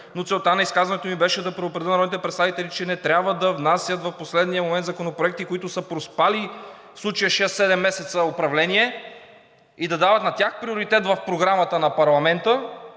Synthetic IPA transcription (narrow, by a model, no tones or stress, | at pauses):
not̪sɛlˠt̪anɐiskazvɐnɛt̪omibɛʃɛd̪ɐpɾɛopɾɛd̪ənɐɔd̪nit̪ɛpɾɛt̪st̪avit̪ɛlit͡ʃɛnɛt̪ɾʲjabvəd̪ɐvnasʲjət̪vɐfposlɛd̪nijəmomɛnzɐkonopɾoɛkt̪ikoit̪ʊsəpɾospali | fslˠut͡ʃəjəʃɛəsːɛd̪ɛmːɛsɛt̪səopɾɐvlɛniɛ | id̪ɐd̪avət̪nɐt̪ʲjaxpɾioɾit̪ɛt̪vɐfpɾoɡɾamət̪ənɐpɐɾlˠɐmɛnt̪ə